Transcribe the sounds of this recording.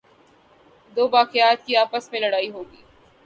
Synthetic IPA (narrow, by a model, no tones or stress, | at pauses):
d̪oːʋaːqɪjaːt̪̚kiaːpəsmẽlɐɽaːiɦoːɡḭː